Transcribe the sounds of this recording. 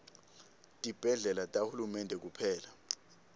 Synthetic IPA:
tʼib̥ʱɛɮɛlatʼahulumɛndʱɛk̬upʰɛːla

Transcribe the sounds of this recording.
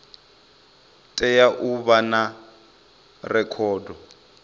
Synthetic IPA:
tʼɛjaʔuβana | rɛkʰɔːdɔ

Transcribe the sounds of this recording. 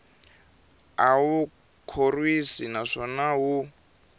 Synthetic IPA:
awu | kʰorwisinaʂɔnaɦu

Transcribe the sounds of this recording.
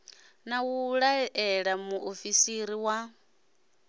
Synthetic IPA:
nawuɺaɛɺamuʔofisiɾiwa

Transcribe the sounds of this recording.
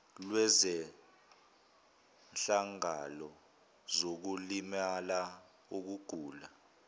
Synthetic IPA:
lwɛzɛ | nɬaŋalɔ | zok̬ulimala | uk̬uɡ̥ʱuːla

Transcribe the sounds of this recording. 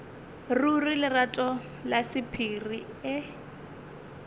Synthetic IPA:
rurilɪratʼɔ | lasɪpʰiri | ɪ

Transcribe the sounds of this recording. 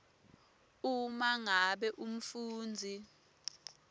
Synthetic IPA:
umaŋaɓɛʔum̩fuːnd͡zʱi

